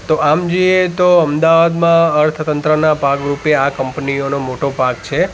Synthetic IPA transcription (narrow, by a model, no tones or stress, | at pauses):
t̪oʔamd͡ʒoiet̪oəmd̪aʋad̪mãəɾt̪ʰt̪ənt̪ɾənapakɾupeakəmpnionomoʈopak̚t͡ʃʰe